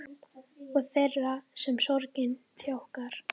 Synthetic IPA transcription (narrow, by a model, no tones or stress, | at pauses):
ɔɣθejrːasɛmsɔɾcɪnθjawhkaɾ̥